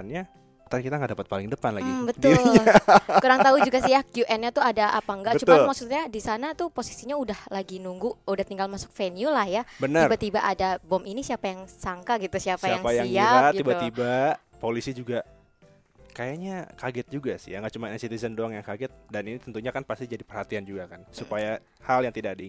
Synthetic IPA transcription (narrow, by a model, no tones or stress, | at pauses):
anɲa | t̪aɾikit̪aŋɡaʔdapat̪̚palɪŋdəpanlaɡbət̪ʊlɲkuɾaŋtt̪aud͡ʒuɡasijakjuʔɛnɲat̪uadaapaŋɡaʔbət͡ʃut̪atlmaksut̪̚ɲadisanat̪uposi̥siɲaudahlaɡinuŋɡuudaht̪iŋɡalmasʊ̥k̚feniulahjabənəirbat̪ibaʔadabɔmʔinisiapajaŋsaŋkaɡit̪usiaspajajaŋpajaŋiiaat̪ibat̪iba | polisid͡ʒuɡa | kajaɲakaɡɛt̪̚d͡ʒuɡasɪ̰hjaŋɡaʔt͡ʃumainsit̪izəndoaŋjaŋkaɡɛt̪̚daninit̪ənt̪uɲakanpast̪id͡ʒadipərhat̪iand͡ʒuɡakansupaja | haljaŋt̪idakdii